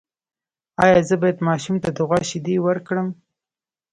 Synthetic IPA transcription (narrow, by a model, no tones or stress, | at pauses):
ɑjɑzəbɑjad̪mɑʃumt̪ad̪ʊɣɑʃɪd̪ewəɾkɽəm